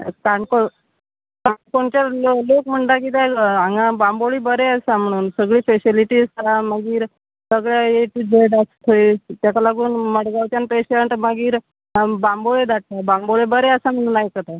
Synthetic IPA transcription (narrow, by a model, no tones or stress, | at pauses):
kaɳko | kaɳkoɳt͡ɕalolokm̤əɳɖ̪ak̬it̪aaŋabãmboɭiːbəɾeəsam̤əɽ̃uːnsəɡɭiːfesiliʈiːzt̪əɾaməɡiːɾ | səɡɭjaeʈibeɖast̪ʰoit̪jakalaɡuːnməɽɡaʋt͡ɕjanpeɕeɳʈməɡiːɾ | bãmboɭed̪aʈ̚t̪abamboɭebəɾeəsam̤əɽ̃uːnajkət̪a